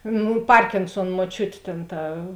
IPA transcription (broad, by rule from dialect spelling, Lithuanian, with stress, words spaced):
ˈnuː ˈpɐrʲkʲɪnsuɔn muɔˈt͡ʃʲʊt ˈtʲeːn ˈtɐ